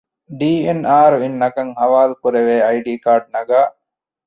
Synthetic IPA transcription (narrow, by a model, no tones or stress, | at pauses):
ɖiːenaːɾuinːɐkɐŋhɐʋaːlukuɾeʋeːɐjɖiːkaːɾɖ̚nɐɡaː